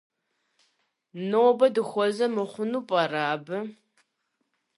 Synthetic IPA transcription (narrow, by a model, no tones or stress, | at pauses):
noːbɐdɨxʷɔzɐmɨχʷʊnuːpʼɐraːbɨ